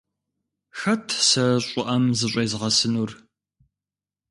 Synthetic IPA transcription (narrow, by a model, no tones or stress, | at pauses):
xɐtʰsɐɕʷʼʊʔɐmzɨɕʷʼejzʁɐsɨnuːr